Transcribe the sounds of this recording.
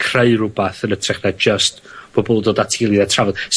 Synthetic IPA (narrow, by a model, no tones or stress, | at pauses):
kʰreɨrʊbaθənətʰrɛχnad͡ʒəst | b̥ɔbɔlˠdoːdatʰilˠiðɛtʰravɔd̥s